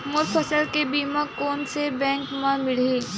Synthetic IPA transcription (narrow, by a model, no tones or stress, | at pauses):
mʊɾpʰəsəlkebiːmãkoːnsebɛ̃ːŋkmãmɪliː